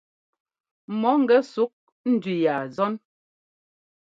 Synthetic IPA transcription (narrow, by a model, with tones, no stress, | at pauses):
mɔ˨˦ŋ̩˦ɡɛ˦su˨˦k̚ | n̩˦dɥi˨ja˨zɔ˦n